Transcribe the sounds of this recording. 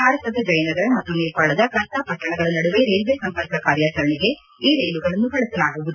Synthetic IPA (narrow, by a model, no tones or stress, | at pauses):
aːɾɐsɐd̪ɐd͡ʒɐjɐnɐɡɐɾɐmɐt̪ːuniːɾpaːɭɐd̪ɐkɾɐnt̪apɐʈːɐɳɐɡɐɭɐnɐɽuʋeɾe̞ːluʋeːsɐmpɐɾkɐkaːɾjaːt͡ʃɐɾɐɳiɡe | iːɾe̞ːluɡɐɭɐnːuɦɐɭɐsɐlaːɡuʋud̪u